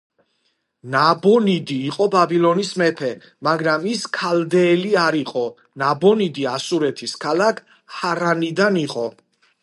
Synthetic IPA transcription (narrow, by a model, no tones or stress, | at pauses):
nabɔnid̪iːqʼɔbabilˠɔnismɛpʰɛ | maɡɾamiskʰald̪ɛːliaɾiqʼɔ | nabɔnid̪iasuɾɛt̪ʰiskʰalakʰ | haɾanid̪aniqʼɔ